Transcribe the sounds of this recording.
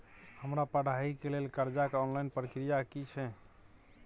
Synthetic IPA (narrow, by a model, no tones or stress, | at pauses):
həmɾapəɽ̤aikelelkəɾd͡ʒakeɔnlajnpɾəkɾijakit͡ʃʰɛ